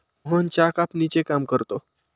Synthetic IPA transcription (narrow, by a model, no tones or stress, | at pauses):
ɦənt͡ɕakapnit͡ɕekamkəɾt̪o